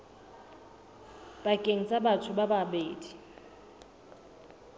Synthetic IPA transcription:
b̥akʼeŋ̩t͡sʼabat͡sʰʊbababeːdi̥

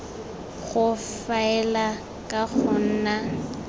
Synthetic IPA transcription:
ɣʊ | faɛla | kʼaɣʊn̩na

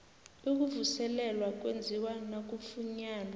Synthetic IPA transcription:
uk̬uvusɛlɛlwak̬ʼwend͡zʱiwanak̬ʼufuɲaːna

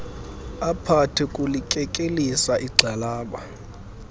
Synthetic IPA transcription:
apʰatʰikʼulikʼɛkʼelisaʔiɡ͡ǀʱalaːɓa

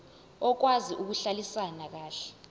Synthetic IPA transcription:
ɔk̬waziʔuk̬uɬalisanak̬aːɬɛ̥

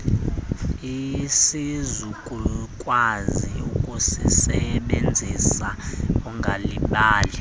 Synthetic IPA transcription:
isizukʼukʼwaziukʼusisɛɓend͡zʱisauŋɡʱaliɓaːlɛ

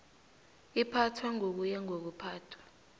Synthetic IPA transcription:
ipʰatʰwaŋok̬ujɛŋok̬upʰaːtʰwḁ

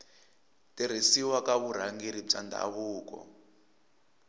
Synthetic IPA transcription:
tiɾ̤isiwakaβuɾ̤aŋɡeɾib͡ʐanda̰βuːkɔ̰

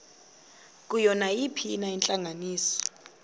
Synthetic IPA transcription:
k̬ʼujɔnajipʰinaɛnt͡ɬʼaŋʱaniːsɔ̥

